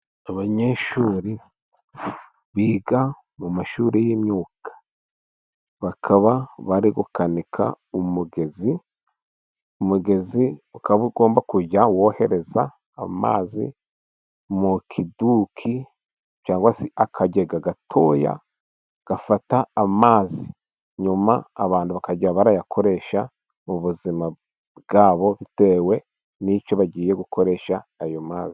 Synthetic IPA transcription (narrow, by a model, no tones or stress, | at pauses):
aβaɲeʃuːɾi | βiːɡa | mumaʃuɾejiːmɲuːkʰḁ | βakʰaβaβaɾiɡukanikʰa̰ | umuɡe̞zi | umuɡe̞ziukaβaβuɡo̞ːmbakuɟawohe̞ɾe̞za̰ː | ma̰ːzḭ | mukʰiduːkʰi | t͡ʃaːŋɡwasiakʰaɟe̞ɡaɡatʰo̞ːja̰ | ɡ̥afataːmaːzi | ɲuma̰ːβaːnduβakaɟiɾaβaɾajakʰo̞ɾe̞ʃa | muβuzima | bɡaːβo̞βite̞we̞ | nit͡ʃo̞βaɟiːje̞ɡukʰo̞ɾe̞ːʃaːjomaːzi̥